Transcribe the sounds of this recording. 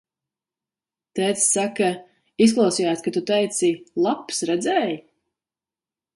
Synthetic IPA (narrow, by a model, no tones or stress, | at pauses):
t̪ɛːt̪ssaka | is̬klˠawsiːjaːt̪ʲkat̪ut̪ɛjt̪silˠapsɾɛd̪zɛːj